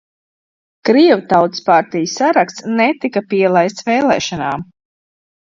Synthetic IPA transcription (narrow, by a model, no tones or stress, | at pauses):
kɾiɛwut̪awt̪spaɾt̪ijsaɾakst̪snɛt̪ikapiɛlˠajst̪sʋɛːlˠɛ̰ːʃanaːm